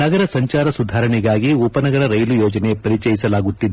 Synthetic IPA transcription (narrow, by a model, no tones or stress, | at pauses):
nɐɡɐɾɐsɐɲt͡ʃaːɾɐsud̪ʱaːɾɐɳiɡaːɡiuːpɐnɐɡɐɭɐɾɐjlujoːd͡ʒɐnepɐɾit͡ʃɐjisɐlaːɡut̪ːid̪